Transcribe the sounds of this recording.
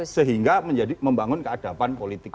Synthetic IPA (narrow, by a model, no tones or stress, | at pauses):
səɦiŋɡaməɲd͡ʒadiməmbaŋʊnkəad̥a̤panpolit̪ɪk